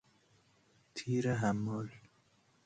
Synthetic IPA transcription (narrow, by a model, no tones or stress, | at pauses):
t̪ʰiɾaɦamol